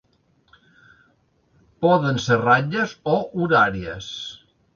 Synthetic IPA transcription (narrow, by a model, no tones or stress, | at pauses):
pɔðənseraɲəzoʔuɾaɾiəs